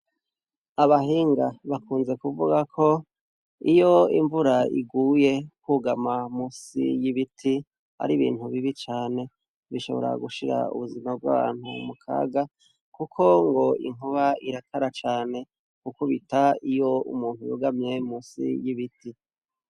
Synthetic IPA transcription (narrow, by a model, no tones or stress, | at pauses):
aβaɦiːŋɡaβakuːnze̞kuvuɡakʰo̞ | ijo̞iɱvuɾaḭɡuːje̞kuːɡamamusḭjiβitʰi | ha̰ɾiβḭːn̥huβiβit͡ʃaːne̞ | βiʃo̞̰βoɾa̰ɡuʃiɾa̰ṵβuzimab̚ɡa̰ːβa̰ːn̥hṵmukʰa̰ːɡa | kukʰo̞ŋɡo̞ḭŋuβaiɾatʰaɾat͡ʃaːne̞ | kukuβitaijo̞ṵmuːn̥hujṵɡamɲe̞muːsḭjiβiti